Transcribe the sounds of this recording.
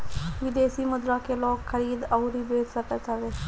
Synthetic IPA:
ʋɪd̪eːsiːmʊd̪ɾãkelɔːkʰxəɾiːd̪əʊɾibeːt̪səkət͡ʃaʋeː

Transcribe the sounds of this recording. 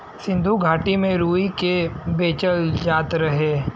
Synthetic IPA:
sɪ̃nd̪ʱuɡʱaːʈimẽɾuːikebeːt͡ʃəld͡ʒaːt̪ɾɐɦeː

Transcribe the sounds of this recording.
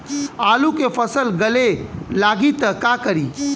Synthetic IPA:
alukepʰəsəlɡəlelaɡit̪əkakəɾi

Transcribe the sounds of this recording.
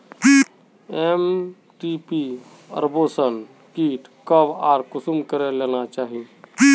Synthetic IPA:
i | em | ʈipi | ə̰ɾbosən | kiʈ | kəbaːɾkʊsumkəɾelenat͡ʃaːɦii

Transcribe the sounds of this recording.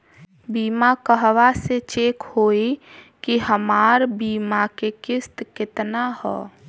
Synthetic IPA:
biːmakəɦʋaset͡ʃeːkhoːikiɦəmaːɾbiːmakekɪst̪kɪt̪nahɛ̰

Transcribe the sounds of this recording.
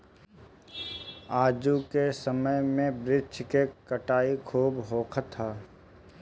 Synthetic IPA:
aːd͡ʒukesəməjmẽbɾɪt͡ʃkekəʈaːikʰuːbɦoːkʰt̪ʰːaː

